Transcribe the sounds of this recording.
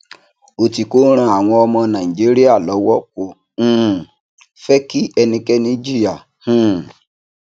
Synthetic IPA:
o˨ti˨ko˦ɾ̃ã˧a˨w̃ɔ̃˧ɔ˧mɔ̃˧nã˨i˨d͡ʒi˦ɾi˦a˦˨lɔ˨˦wɔ˦kõ˧˦˨ | fɛ˦ki˦ɛ˧nĩ˧kɛ˦nĩ˦d͡ʒi˦ja˦˨ | hũ˦

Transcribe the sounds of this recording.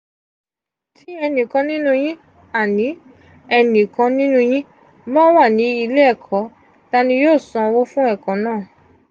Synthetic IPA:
tʰi˦ɛ˧nĩ˨kã˧˦nĩ˦nũ˧j̃ĩ˦ | a˦˨nĩ˨˦ | ɛ˧nĩ˨kã˨˧nĩ˦nũ˧j̃ĩ˦ | mɔ̃˦wa˦˨nĩ˨˦i˧le˦ɛ˦˨kʰɔ˨˦ | ta˦nĩ˧joː˦˨sã˧wo˦fũ˦ɛ˦˨kã˨˦nãː˦˨

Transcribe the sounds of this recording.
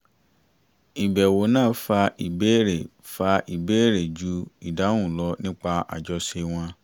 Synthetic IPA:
i˨bɛ˨wo˨˦nãː˦˨˦fa˧i˨be˦ɾe˨ | fa˧i˨be˦˨ɾe˨d͡ʒu˧˦i˨da˨˦wũ˦˨lɔ˧˦nĩ˦k͡pa˧a̰˨d͡ʒɔ˧se˧w̃ɔ̃˧

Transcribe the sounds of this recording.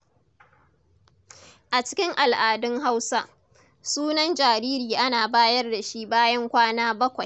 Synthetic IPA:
ʔa˨t͡ʃɪ̥˦kʲɪ˦ŋʔa˨lʔaː˨dɪ˦ŋɦa˦wsa˦ʔ | suː˦nɐ˦nd͡ʒaː˨ɾiː˦ɾiː˨ʔa˦naː˨baː˦jɐ˦rda˨ʃi˦baː˦jɐ˦ŋkʷaː˦naː˦bɐ˦kʷa˨j

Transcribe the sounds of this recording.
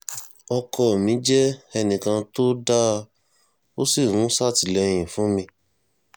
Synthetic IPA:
ɔ˧kɔ˧˨mĩ˨˦d͡ʒɛ˦ɛ˧nĩ˨kã˧to˦da˦ | o˦si˦˨wũ˨˦sa˦˨ti˨lɛ˧j̃ĩ˨fũ˨˦mĩ˧

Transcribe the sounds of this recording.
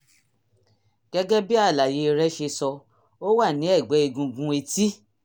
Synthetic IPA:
ɡ̥ɛ˦ɡɛ˦bi˦a˦˨la˨je˨˧ɾɛ˦ʃe˧sɔ˧ | o˦wa˦˨nĩ˨˦ɛ˦˨ɡ͡bɛ˨˦i˧ɡũ˧ɡũ˧˦e˧ti˦

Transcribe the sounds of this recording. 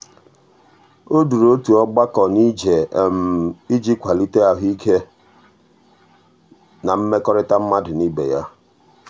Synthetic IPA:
o˦du˨ɾo˦tu˨ɔ˦ɡ͡ba˦kɔ˨ni˦d͡ʒe˨m̩˨i˦d͡ʒi˦kʷa˨li˦te˦a˨ɦi˦ke˦ | na˨m̩˦me˦kɔ˦ɾɪ˦ta˦m̩˦ma˦dʊ˨ni˦bḛ˨ja˦

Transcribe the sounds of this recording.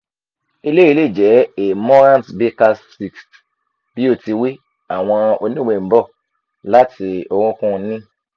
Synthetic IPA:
i˧le˦i˧le˦˨d͡ʒɛ˨˦e˨mɔ˦ɾã˦˨tbe˦ka˧ssi˨kst | b̥i˦o˦˨ti˧wi˦ | a˨w̃ɔ̃˧o˧nĩ˦˨we˧˨˦bɔ˦˨ | la˦tʰi˧o˧ɾũ˧kũ˦˧nĩ˦

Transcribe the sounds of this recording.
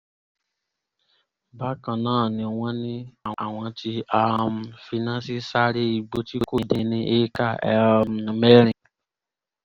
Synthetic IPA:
ba˦kã˧nãː˦˨nĩ˧w̃ɔ̃˦nĩ˧a˨w̃ɔ̃˧ti˧a˧mfi˧nã˦si˦sa˦ɾe˦i˧ɡ͡bo˧ti˦ko˦˨de˧nĩ˧ʔe˦ka˦˨a̰˧mme˦ɾ̃ĩ˨

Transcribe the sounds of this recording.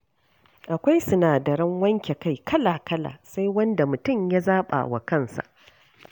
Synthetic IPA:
ʔa˨kʷa˦jsʊ˦naː˨dɐ˨ɾɐ˦ŋwɐ˦ŋkʲe˨ka˦˨jkʰɐ˦laː˨kɐ˦la̰ː˨sa˦jwɐ˦nda˨mʊ˨tʊ˦˨mja˦zaː˦ɓa̰ː˨wa̰˨kɐ˦˨nsa̰˨ʔ

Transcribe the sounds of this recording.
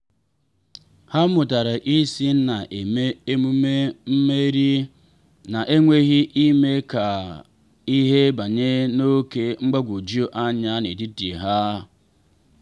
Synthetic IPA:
ha˦mʊ˨ta˨ɾa˨ʔi˦si˦n̩˦na˨ʔe˨me˦m˦m̩˦me˦ɾi˦ | na˨ʔe˦ŋʷe˦ɣi˦ʔi˦me˦ka˨ | i˦ɦe˦ba˨ɲe˦no˦ke˦ŋ͡m̩˦ɡ͡ba˦ɡʷu˨d͡ʒi˦o˦ʔa˦ɲa˦nḛ˨di˦tḭ˨ɦa˦

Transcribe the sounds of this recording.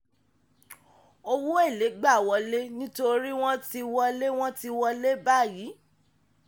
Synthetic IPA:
o˦wo˦e˦˨le˨˦ɡ͡ba˦˨wɔ˧le˦nĩ˦to˧ɾi˦w̃ɔ̃˦ti˧wɔ˧le˦w̃ɔ̃˦ti˧wɔ˧le˦ba˦˨jiː˨˦

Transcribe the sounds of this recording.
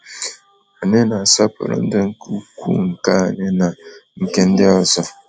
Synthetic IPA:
a˨ne˦na˨sa˦pə̰˨ɾə̰˨n̩˦də˦ŋ̩˦ku˦kṵ˦ŋ̩˨ka˦a˨ne˦na˨ŋ̩˨ke˦n̩˦de˦ɔ˨zɔ˨

